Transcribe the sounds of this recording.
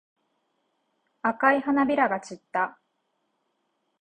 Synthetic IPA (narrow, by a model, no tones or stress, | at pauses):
akaihanabʲiɾaɡat͡ɕit̪ːa